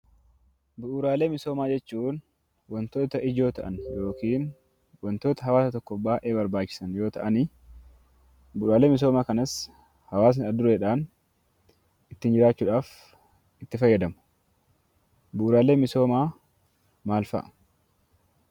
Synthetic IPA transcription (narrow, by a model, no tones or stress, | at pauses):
bʊʔuːɾaːle̞ːmɪso̞ːmaːd͡ʒɛt͡ʃːuːn | wɔnt̪o̞ːt̪ɐʔɪd͡ʒo̞ːt̪ɐʔɐnjo̞ːkiːn | wɔnt̪o̞ːt̪ɐɦɐwaːsɐt̪ɔkːɔbaːʔe̞ːbɐɾbaːt͡ʃːɪ̥sɐnjo̞ːt̪ɐʔɐni | bʊʔɾaːle̞ːmɪs̬o̞ːmaːkɐnɐs | hɐwaːs̬nɪɐd̪ʊɾeːᶑaːn | ɪt̪ːɪnd͡ʒɪɾaːt͡ʃːuːᶑaːf | ɪt̪ːɪfɐjːɐd̪ɐmʊ̥ | bʊʔuːɾaːleːmɪso̞ːmaː | maːlfɐ̰ʔ